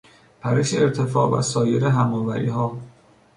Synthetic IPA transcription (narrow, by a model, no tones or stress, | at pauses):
pʰæɾeʃeeɾt̪ʰe̞fɒːvæ̰sɒːjeɾeɦæmɒːvæɾḭːɦɒː